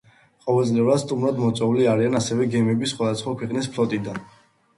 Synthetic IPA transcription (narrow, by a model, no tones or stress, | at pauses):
qʼɔvɛlˠt̪ʼlɛuɾad̪st̪ʼumɾad̪mɔt̪sʼwɛuliaɾianasɛvɛɡɛmɛbisχwad̪asχwakʰwɛqʼnispʰlɔt̪ʼid̪an